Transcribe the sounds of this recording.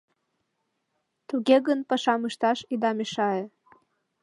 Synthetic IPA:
t̪uɣeɣənpəʃɑmɯʃt̪ɑʃid̪ɑmeʃɑe

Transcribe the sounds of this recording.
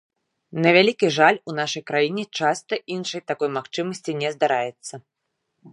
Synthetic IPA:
nɐvʲalʲikʲiʐalʲunaʂɐjkɾajinʲɛt͡ʂast̪ɐʔinʂɐjt̪akɔjmaxt͡ʂɨmɐsʲt͡sʲinʲɛzd̪aɾajɛt̪sːɐ

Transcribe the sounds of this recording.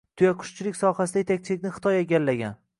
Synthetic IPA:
t̪ʰʊjaqʰʊ̥ʃt͡ʃʰɪlɪkʲsɒhasɪd̪ajet̪ʰak̚ʲt͡ʃʰɪlɪk̚ʲnɪχɨ̥t̪ʰɒjeɡʲalːaɡʲan

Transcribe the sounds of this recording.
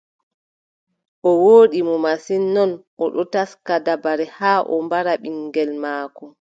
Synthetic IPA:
ʔɔwoːɗimɔmasinːɔnʔɔɗɔtaskadabaɾɛhaːʔɔ̰mbaɾaɓiŋɡɛlmaːkɔ

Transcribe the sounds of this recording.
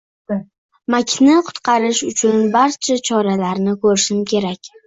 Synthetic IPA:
makʲʰnɪqʰʊ̥t̪qʰɑɾɪʃʊt͡ʃʰʊnbaɾt͡ʃʰat͡ʃʰɒɾalaɾnɪkʰɵɾɪʃɪmkʲʰe̞ɾakʲ

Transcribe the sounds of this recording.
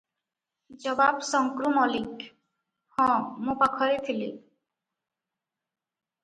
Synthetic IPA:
d͡ʑɔbabsɔŋkɾumɔlik | hɔ̃mũpakʰɔɾet̪ʰili

